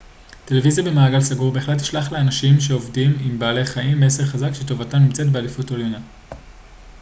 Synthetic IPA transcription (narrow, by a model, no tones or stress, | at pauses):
te̞le̞vizjabe̞maːɡalsaɡuʁbeːχlet̬i̥ʃlaχleanaʃimʃeo̞vdimimbaːle̞χaimbees̬e̞ʁχazakʃeto̞vatamnimt͡setbealifutoljona